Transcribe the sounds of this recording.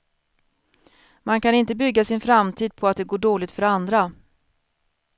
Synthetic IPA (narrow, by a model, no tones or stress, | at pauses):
mankanɪnt̪əbʏɡːasɪnfɾamt̪ʰiːd̪̚pʰɔat̪̚d̪ɛɡoːɖoːlɪɡ̚t̪fœɾand̪ɾa